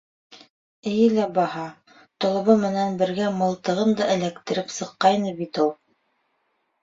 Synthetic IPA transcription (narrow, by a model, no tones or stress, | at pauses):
ɘ̆jɘlæbɑhɑ | t̪ŏlˠɤ̆βɤmɘ̆nænbɘ̆ɾɡæmɤ̆lˠt̪ɤ̆ʁɤnd̪ɑʔɘ̆lækt̪ɘ̆ɾɘpsɤ̆qːɑjnɤbit̪ulˠ